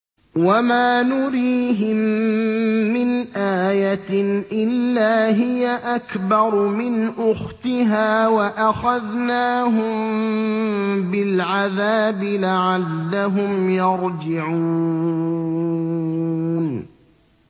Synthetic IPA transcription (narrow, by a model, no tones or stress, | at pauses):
wamaːnʊɾiːɦɪmː | ɪnʔaːjatʔɪlːaːɦɪjaʔakbɑɾˤmɪnʔʊxt̪ɪɦaːwaʔaxaðnaːɦʊm | bɪlʕaðaːbɪlaʕalːaɦʊmjɑɾd͡ʒɪʕuː | n